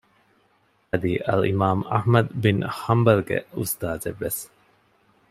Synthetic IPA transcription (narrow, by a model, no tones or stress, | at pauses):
ɐd̪iʔɐ̰lḭmaːmɐ̰hmɐd̪binhɐmbɐlɡḛust̪aːzeʋːes